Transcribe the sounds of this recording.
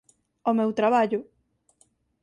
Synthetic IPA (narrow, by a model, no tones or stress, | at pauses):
omewt̪ɾaβaʎʊ